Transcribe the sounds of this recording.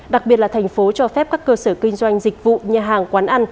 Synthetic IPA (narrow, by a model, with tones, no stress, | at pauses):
ɗa˨˩k̚ɓi˨˩ət̚laː˨˩t̪ʰɛ˨˩ŋ̟fo˨˦t͡ɕɔ˧fɛ˦˥p̚kaː˦˥kːəː˧səː˧˩kï˧ŋ̟zwa˧jŋ̟zï˨˩k̚vṵ˧˨ɲaː˨˩ɦaː˨˩ŋkwaː˨˦nʔa˧n